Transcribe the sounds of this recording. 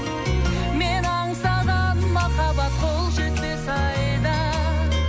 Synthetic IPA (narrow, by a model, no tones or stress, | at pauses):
menɑɴsɑd̪ɑnmɑχɑbɑt̪qʰo̞lˠʒet̪̚pesɑjd̪ə